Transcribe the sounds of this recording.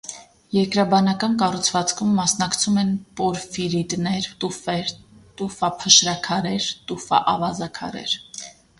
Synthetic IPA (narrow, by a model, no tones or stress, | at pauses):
jɛɾkɾɑbɑnɑkɑnkɑrut͡sʰvɑt͡skʰumːɑsnɑkt͡sʰumɛnpɔɾfiɾit̪nɛɾufɛɾt̪ufɑpʰəʃɾɑkʰɑɾɛɾt̪ufɑ̰ʔɑvɑzɑkʰɑ̰ɾɛ̰ɾ